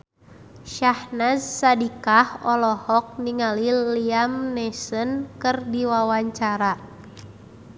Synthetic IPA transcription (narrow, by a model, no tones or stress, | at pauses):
ʃahnazsadikahɔlɔhɔk̚niŋaliliamnɛsənkɨrdiwawaɲt͡ʃaɾa